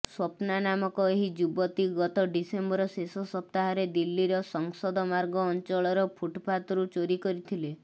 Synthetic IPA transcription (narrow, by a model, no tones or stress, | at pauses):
swɔpnanamɔkɔeɦid͡ʒubɔt̪iɡɔt̪ɔɖisembɔɾɔsesɔsɔp̚t̪aɦɔɾed̪ilːiɾɔsɔŋsɔd̪ɔmaɾɡɔːnt͡ʃɔɭɔɾɔpʰuʈpʰat̪ɔɾut͡ʃoɾikɔɾit̪ʰile